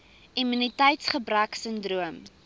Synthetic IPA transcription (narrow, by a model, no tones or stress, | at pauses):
imynitɛjtsχəbræksəndruəm